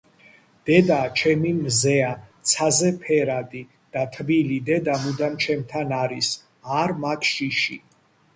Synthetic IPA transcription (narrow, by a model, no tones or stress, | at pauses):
d̪̥ɛd̪at͡ʃʰɛmimzɛat̪sʰazɛpʰɛɾad̪i | d̪̥at̪ʰbilid̪ɛd̪amud̪amt͡ʃʰɛmt̪ʰanaɾis | aɾmakʰʃiʃḭ